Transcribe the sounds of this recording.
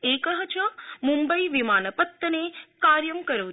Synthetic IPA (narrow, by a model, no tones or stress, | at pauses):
ekəɦət͡ʃʰəmumbəiʋɪmaːnəpət̪ːənekaːɾjəmkəɾəː